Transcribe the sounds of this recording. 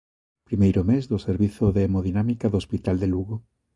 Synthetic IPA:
pɾimejɾomezðoseɾβiθoðeːmoðinamikaðospit̪ald̪eluɣo

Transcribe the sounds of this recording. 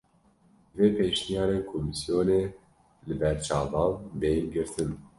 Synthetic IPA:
veːpʰeːʃnijɑːɾeːnkʰomisjoːneː | lɨbɛɾt͡ʃɑːvɑːnbeːjnɡɨɾt̪ʰɨn

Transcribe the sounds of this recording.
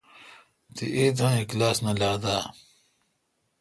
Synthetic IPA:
t̪iʔeːd̪ãeklaːsnɐlaːd̪aː

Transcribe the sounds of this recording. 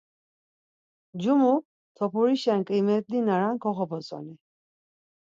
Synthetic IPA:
d͡ʒumu | t̪ʰɔpʰuɾiʃɛnkʼimɛt̪̚d̪inaɾankʰɔχɔpɔt͡sʼɔ̰ni

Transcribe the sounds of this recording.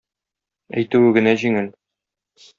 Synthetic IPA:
æ̰jt̪ʉwɘɡɘ̆næʑiŋɘl

